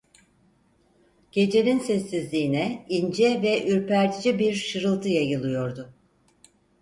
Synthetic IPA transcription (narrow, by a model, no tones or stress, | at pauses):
ɟ̥e̞d͡ʒe̞ninsɛsːizlʲiːnɛind͡ʒɛvɛʔyɾpæɾt̪ʰid͡ʒibiɾʃɯɾɯlˠt̪ʰɯjajɯlˠɯjo̞ɾd̪ʊ